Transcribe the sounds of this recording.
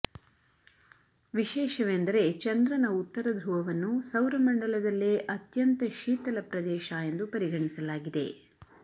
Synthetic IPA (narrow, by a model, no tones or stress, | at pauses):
ʋiʃɛːʃɐʋend̪ɐɾe̞t͡ʃɐnd̪ɾɐnɐut̪ːɐɾɐd̪ɾuʋɐʋɐnːusɐwɾɐmɐɳɖɐlɐd̪ɐlːeʔɐt̪jɐnt̪ɐʃiːt̪ɐlɐpɾɐd̪ɛːʃɐe̞nd̪upɐɾiɡɐɳisɐlaːɡid̪e̞̰